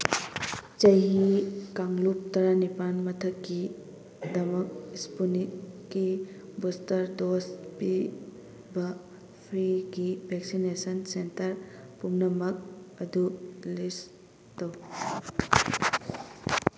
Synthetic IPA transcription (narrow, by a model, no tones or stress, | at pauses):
t͡ʃɐɦikaŋlup̚tɐɾanipanmɐtʰɐkːi | dɐmɐk̚ispunikːibɔstɐɾdospi | bɐ | pʰɾiɡibʱeksinesɐnsentɐɾ | pumnɐmɐk̚ɐdulis | tɐw